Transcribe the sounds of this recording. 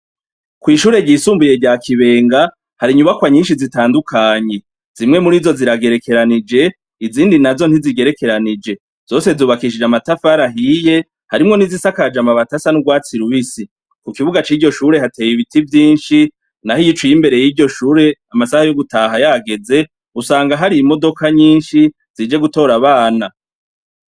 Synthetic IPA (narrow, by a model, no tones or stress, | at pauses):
kwiːʃuːɾe̞ɟiːsuːmbuje̞ɟaːkʰiβe̞ːŋɡa | haɾiɲuβakwaɲiːnʃizitaːndukʰaːɲe̞ | z̥imŋe̞muɾizo̞ziɾaɡe̞ɾe̞kʰe̞ɾanid͡ʒe̞ | iziːndinazo̞n̥hiziɡe̞ɾe̞ke̞ɾanid͡ʒe̞ | z̥o̞ːse̞zuːβakiʃid͡ʒamatafaɾaɦije̞ | haɾimŋo̞nizisakad͡ʒamaβatasanuɡwaːt͡siɾuβisi | kukiβuɡat͡ʃiːɟo̞ʃuːɾe̞hatʰe̞ːjiβitivjiːnʃi | nahijit͡ʃwujimbe̞ɾe̞jiɟo̞ʃuːɾe̞amasahajoɡutaːɦajaɡe̞ze̞ | usaːŋɡaɦaɾiimo̞do̞kʰaɲiːnʃi | z̥id͡ʒe̞ɡuto̞ɾaβaːna